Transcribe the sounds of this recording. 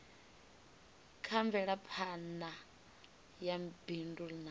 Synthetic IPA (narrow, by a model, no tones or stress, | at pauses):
kʰaɱvɛɺapʰana | jab̥indulna